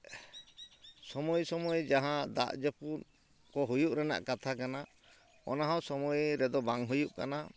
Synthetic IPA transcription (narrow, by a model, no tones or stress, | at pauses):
sɔmɔjsɔmɔjed͡ʒaɦãd̪a̰ʔd͡ʒɔpun | kɔɦujuʔɾɛna̰ʔkat̪ʰakana | ɔ̰naɦawsɔmɔjeɾɛd̪ɔbaŋɦujuʔka̰na